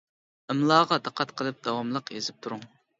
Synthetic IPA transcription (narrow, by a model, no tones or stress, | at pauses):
əmlˠɑːʁɑd̪ɨqʰːɑt̪qʰəlˠɨp̚d̪ɑwɑmlˠəqezɪp̚t̪ʰuɾuŋ